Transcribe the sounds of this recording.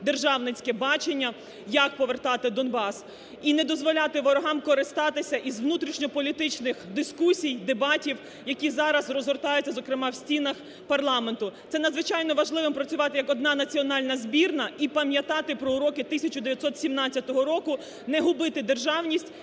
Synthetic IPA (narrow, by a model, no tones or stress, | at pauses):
d̪erʒɑwnɪt͡sʲkɛbɑt͡ʃenʲːɐ | jɐk̚pɔʋert̪ɑt̪ɪd̪ɔnbɑs | inɛd̪ɔzʋɔlʲat̪ɪʋɔɾɔɦɑmkɔɾɪst̪ɑt̪ɪsʲɐʔizʋnut̪ɾʲiʃnʲɔpɔlʲit̪ɪt͡ʃnɪxd̪ɪskusʲijd̪ebɑtʲiw | jɐkʲizɑɾɐzrɔzɦɔrt̪ɑjʊt͡sʲːɐzɔkɾɪmɑwsʲtʲinɐx | pɐrlˠɑment̪ʊt̪ɛnɐd̪zʋɪt͡ʃɑjnɔʋɐʒlˠɪʋɪmpɾɐt͡sʲʊʋɑt̪ɪjɐkɔd̪nɑnɐt͡sʲiɔnɑlʲnɐzʲbʲirnɐipɐmʲjɐt̪ɑt̪ɪpɾɔuɾɔkɪt̪ɪsʲɐt͡ʃʊd̪eʋʲjɐt̪sɔt̪sʲimnɑt͡sʲːɐt̪ɔɦɔɾɔkʊ | nɛɦʊbɪt̪ɪd̪erʒɑwnʲisʲtʲ